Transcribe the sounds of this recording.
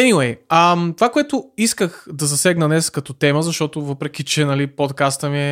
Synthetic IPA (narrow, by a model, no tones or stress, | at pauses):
ɛniwɛjɐmt̪ovakoɛt̪ʊiskəxd̪ɐzɐsɛɡnənɛskɐt̪ɔt̪ɛməzɐʃt̪ɔt̪ʊvɤpɾɛk̟it͡ʃɛnɐlipot̪kast̪əmiɛ